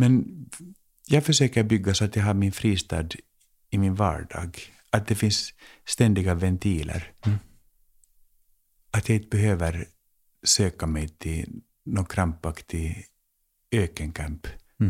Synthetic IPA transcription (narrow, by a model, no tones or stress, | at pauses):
mɛn | jɑːɡfœʂøːkəɾbʏɡːasɔat̪jɑɦaɾmɪnfɾiːst̪ɑ̰ːd̪ | ɪmɪnvɑ̰ːɖɑ̰ːɡ | at̪̚d̪ɛfɪnsːt̪ɛnd̪ɪɡavɛnt̪ʰiːlʔə̰ɾ | at̪jaːɪnt̪əbɛɦøːvəɾ | søːkamɛjt̪ʰɪ | nokʰɾampːakt̪ʰɪ | øːkənkʰamp